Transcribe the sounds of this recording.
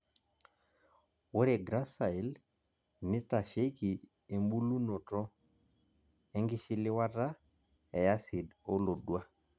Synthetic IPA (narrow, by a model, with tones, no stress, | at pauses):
wo˦ɾe˨ɡɾa˦sa˨i˨l | nɪ˦ta˨ʃe˦ki˨ | e˨mbu˦lu˦no˨tɔ˦ | ɛ˦ŋɡɪ˦ʃɪ˦lɪ˦wa˦ta˦ | ɛ˨ja˦sɪ˨do˦lo˨dwa˦